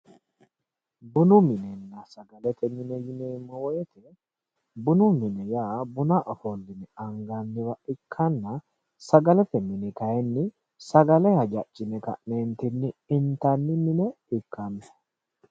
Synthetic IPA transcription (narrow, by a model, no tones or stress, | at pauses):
bʊnʊmɪnɛnːɐsɐɡɐlɛt̪ɛmɪnɛjɪneːmːɔwɔjɛt̪ʰɛ | bʊnʊmɪnɛjaːbʊnaʔɔfɔlːɪnɛɐŋɡɐnːɪwɐʔɪkʰːɐnːɐ | sɐɡɐlɛt̪ɛmɪnɪkɐjɛnːɪ | sɐɡɐlɛhɐd͡ʒɐt͡ʃʼːɪnɛkɐ̰ʔneːnt̪ɪnːɪɪnt̪ɐnːɪmɪnɛ | ɪkːɐmɛ